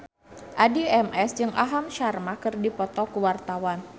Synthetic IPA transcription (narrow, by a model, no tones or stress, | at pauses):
ʔadiɛmɛsd͡ʒɨŋʔaɦamʃarmakɨrdipɔt̪ɔkuwart̪awan